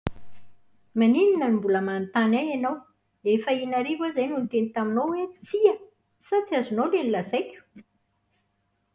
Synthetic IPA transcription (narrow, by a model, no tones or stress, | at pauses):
manininənimbuləmant̪anajanaw | efəinaɾivazajnunt̪enit̪aminowwet͡siə | sat͡siazunolenilazajkʲu̥